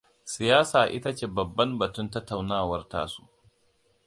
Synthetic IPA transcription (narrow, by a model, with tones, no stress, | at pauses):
sɪ˨jaː˦saː˨ʔɪ˦ta˦t͡ʃeː˦˨bɐ˨bːɐ˦mbɐ˨tʊ˦ntɐ˦tːa˨wnaː˦˨wɐ˦rta̰ː˦su̥˦ʔ